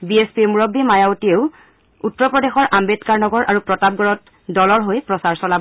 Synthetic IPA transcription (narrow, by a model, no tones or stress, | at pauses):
biespimuɹɔbːimajaotieʊ | utːɹɔpɹɔdexɔɹʔambetkaɹnɔɡɔɹʔaɹupɹɔtab̚ɡɔɹɔt | dɔlɔɹɦojpɹɔsaɹsɔlab